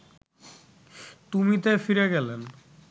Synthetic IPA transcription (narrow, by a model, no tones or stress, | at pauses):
t̪umit̪efiɾeɡɛlen